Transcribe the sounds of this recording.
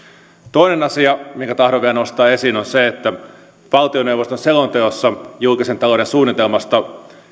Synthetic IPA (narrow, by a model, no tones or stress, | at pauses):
t̪o̞inenɑsiɑmiŋkæt̪ɑhɾoʋiæænost̪ɑːe̞siːnonseet̪ːæ | ʋɑlt̪ionewʋost̪onselont̪eosːɑjulkisent̪ɑloɾensuːnːit̪e̞lmɑst̪ɑ